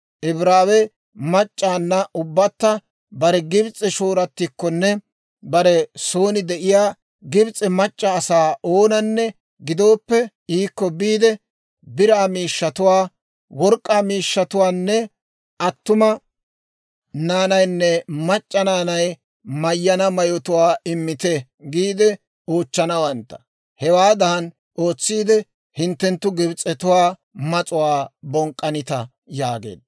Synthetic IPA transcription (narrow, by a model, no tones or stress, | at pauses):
ʔɪbɾaːwɛ | mɐt͡ʃʼːaːnːɐʔʊbːɐt̪ːɐ | bɐɾɛɡɪbt͡sʼːɛʃoːɾɐt̪ːɪkːɔnːɛ | bɐɾɛso̞ːnɪd̪ɛʔɪjaː | ɡɪbt͡sʼːɛmɐt͡ʃʼːɐːsaːoːnɐnːɛ | ɡɪd̪o̞ːpːɛ | iːkːɔbiːd̪ɛ | bɪɾaːmiːʃːɐt̪ʊwaː | wɔɾkʼːaːmiːʃːɐt̪ʊwaːnːɛ | ʔɐt̪ːʊmɐ | naːnɐjnːɛmɐt͡ʃʼːɐnaːnɐj | mɐjːɐnɐmɐjɔt̪ʊwaːʔɪmːɪt̪ɛ | ɡiːd̪ɛ | oːt͡ʃːɐnɐwɐnt̪ːɐ̥ | hɛwaːd̪ɐhɐn | ʔo̞ːt͡sːiːd̪ɛ | hɪnt̪ːɛnt̪ːʊɡɪbt͡sʼːɛt̪ʊwaː | mɐt͡sʼʊwaːbɔŋkʼːɐnɪt̪ɐ | jaːɡḛːd̪